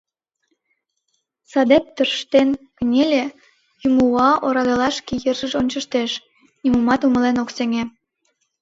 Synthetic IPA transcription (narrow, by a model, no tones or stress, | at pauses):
sɑd̪ep̚t̪ərʃt̪enkənʲelʲe | jymuɑʔoɾɑɣɑlɑʃkejərʒəʃonʲt͡ɕə̆ʃt̪eʃ | nimumɑt̪umə̆lenokseŋe